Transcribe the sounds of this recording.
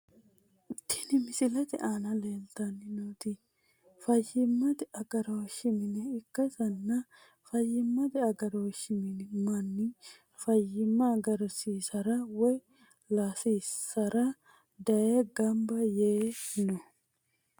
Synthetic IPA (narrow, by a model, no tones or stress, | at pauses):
ɪt̪ːɪ̥nɪmɪsɪlɐt̪ɪ̰ʔaːnɐleːlt̪ɐnːɪnoːt̪i | fɐjːɪmːɐt̪ɪɐɡɐɾɐwɔʃːɪmɪnɛɪkːɐsɐnːɐ | fɐjːɪmːɐt̪ɪɐɡɐɾɐwɔʃɪmɪnmɐnːɪ | fɐjːɪmːɐɡɐɾɐsiːsɐɾɐwɔj | laːsiːsɐɾɐ | d̪ɐjeɡɐmbɐjeːnɔ